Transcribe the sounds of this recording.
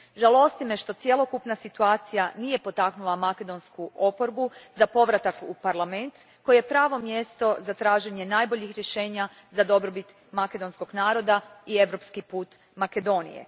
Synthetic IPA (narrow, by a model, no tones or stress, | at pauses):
ʒalˠo̞st̪ime̞ʃt̪o̞t̪sje̞lˠo̞kupnasit̪uaːt̪sijaniːje̞po̞t̪aknulˠamake̞d̪o̞nskuʔo̞po̞ɾbuzapo̞ʋɾat̪akupaɾlˠame̞nt̪ | kojejepɾaːʋo̞mje̞st̪o̞zat̪ɾaːʒe̞ɲe̞naːjbo̞ʎixɾjeʃe̞ːɲa | zad̪o̞bɾo̞bit̪ | make̞d̪o̞nsko̞ɡnaːɾo̞d̪aie̞ʋɾo̞pskipuːt̪ | make̞d̪o̞ːnḭjḛ